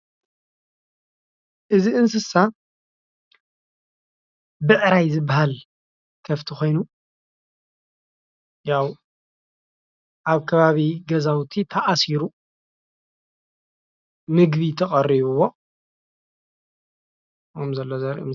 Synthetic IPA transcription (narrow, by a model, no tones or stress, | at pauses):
ʔɨziʔɨnsɨsa | bɨʕɾajzɨbːaɦal | kʰɐft̪ʰixo̞jnu | jaw | ʔaβkʰɐβaβiɡɐzawt̪ʰit̪ʰɐʔasiɾu | nɨɡβit̪ʰɐχʼɐriβuβo | kɐmzɐlːozɐɾḭm